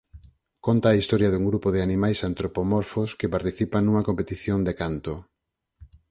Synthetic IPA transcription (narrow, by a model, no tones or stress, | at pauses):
kont̪aːist̪ɔɾjɐðuŋɡɾupoðeanimajsant̪ɾopomoɾfoskɪpaɾt̪iθipaŋnuŋɐkompet̪iθjond̪ekant̪o